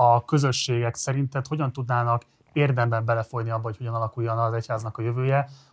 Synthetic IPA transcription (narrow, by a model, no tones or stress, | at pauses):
ɒkø̞zø̞ʃːeːɡɛksɛɾint̪ɛt̪ho̞ɟɒnt̪ud̪naːnɒk | eːrd̪ɛmbɛmbɛlɛfo̞jniɒbːɒɦoc̚ʰho̞ɟɒnɒlɒkujːɒnɒzɛchaːznɒkɒjø̞vøːjɛ